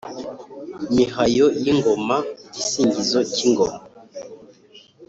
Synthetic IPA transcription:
mihajojiŋɡomacisiːɲɟizociŋɡoma

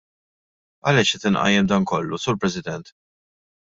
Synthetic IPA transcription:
ɐ̰lɛʃɛt̪ɪnʔɐ̰jːɛmd̪ɐnkɔlːusuːɾpɾɛsɪd̪ɛnt̪

